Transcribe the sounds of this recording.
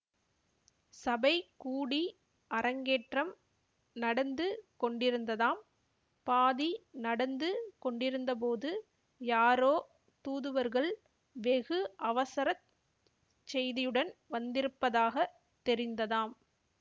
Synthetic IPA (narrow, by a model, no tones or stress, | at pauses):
sɐbɐɪkuːɽi | ʔɐɾɐŋɡeːʈrɐm | nɐɽɐnd̪ɯkɔɳɖɪɾɯnd̪ɐðaːm | paːðinɐɽɐnd̪ɯkɔɳɖɪɾɯnd̪ɐp̬oːðɯ | jaːɾoː | t̪uːðɯʋɐɾɣɐɭ | ʋɛɣɯʔɐʋɐsɐɾɐt̪ | t͡ʃɛjðɪjɯɽɐnʋɐnd̪ɪɾɯpːɐðaːɣɐ | t̪ːɛɾɪnd̪ɐðaːm